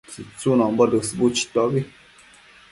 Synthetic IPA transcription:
sit͡sunɔmbɔdəsibut͡ʃi̥tɔbi

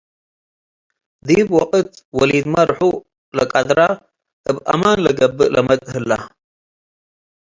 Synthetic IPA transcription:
d̪ibwɔqʼɨt̪wɔlid̪mɐɾħu | lɐkʼad̪ɾa | ʔɨbʔa̰manlɐɡɐbːɨʔlʔɐmɐt̪ʼhɨlːa

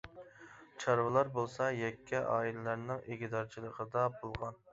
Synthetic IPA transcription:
t͡ʃʰɑɾvɨlˠɑɾbolˠsɑjɛkʲʰːɛʔɑːilɪlæɾnɪŋeɡʲid̪ɑɾt͡ʃʰilˠəqʰəd̪ɑbolˠʁɑn

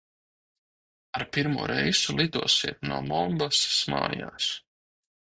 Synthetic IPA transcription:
aɾpiɾmuːɾʔɛjzulˠid̪uɔsiɛt̪̚nuɔmɔmbasma̰ːja̰ːs

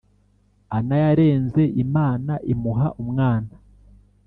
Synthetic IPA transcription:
anajaɾe̞ːnze̞ʔimaːnaʔimuɦaʔumŋaːna

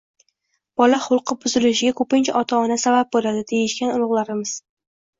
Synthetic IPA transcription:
b̥ɒlaχʊlˠqɨbʊzɪlɪʃɪɡʲakʰɵpɪnt͡ʃʰaʔɒt̪ʰaɒnasabap̚bolad̪ɪd̪ejɪʃkʲanʊlˠʊʁlˠaɾɪmɪz̥

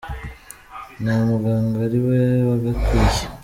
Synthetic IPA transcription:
namuɡaːŋɡaɾiweβaɡatʰuje̥

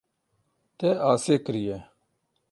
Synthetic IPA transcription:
t̪eːaːseːkəɾijeː

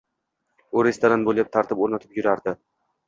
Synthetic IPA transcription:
ʊɾest̪oɾanbolˠjap̚t̪ʰaɾt̪ʰɪpoɾnat̪ʰɪ̥pjʊɾaɾd̪ɪ

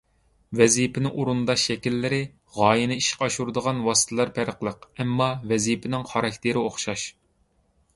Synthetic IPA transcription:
vɛzipʰɪnɪʔuɾund̪ɑʃːɛkʲilːɪɾɪ | ʁɑːjinɪiʃqɑʃuɾd̪əʁɑnwɑsɨ̥t̪ʰɨlˠɑɾpʰæɾəqlˠəqɛmːɑvɛzipʰɪnɪŋχɑɾɑkʲt̪ʰɪɾɪoχʃɑʃ

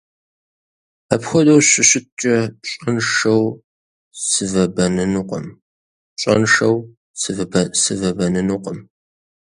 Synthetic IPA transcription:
apxʷɔdowɕʷɪɕɪt̚t͡ʃʼɐɕʼɐnʂɐw | sɨvɐbɐnɨnuqə̰m | ɕʼɐ̰nʂɐw | sɨvsɨvɐbɐnɨnuqəm

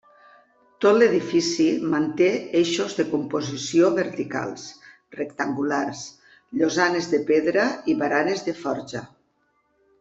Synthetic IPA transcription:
t̪ot̪leð̞ifisimant̪eeʃozðekumpozisioβeɾt̪ika̰lˠs | rekt̪aŋɡulars | ʎozanezðepeðɾaiβaɾanezðefɔɾʒa

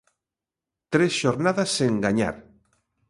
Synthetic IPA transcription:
t̪ɾesʃoɾnaðasːeŋɡaɲa̰ɾ

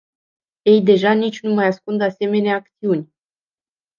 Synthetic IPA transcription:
je̞jd̪e̞ʒanit͡ʃʲnumajaskund̪ase̞me̞neaːk̚t̪siunʲ

